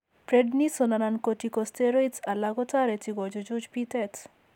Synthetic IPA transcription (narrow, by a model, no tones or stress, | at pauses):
pɾednisɔnanankotikɔsteɾɔjtsalaɡɔtaɾetiɡɔd͡ʒɔd͡ʒud͡ʒpitɛt